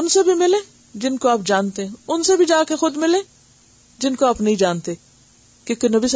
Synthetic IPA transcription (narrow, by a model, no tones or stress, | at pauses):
ʊnsebʱimɪlẽː | d͡ʒɪnkoaːp̚d͡ʒaːnt̪eɦɛ̃ʊnsebʱid͡ʒaːkexʊd̪mɪlẽː | d͡ʒɪnkoaːpnɐɦĩd͡ʒaːnt̪e | kõːkenɐbʱis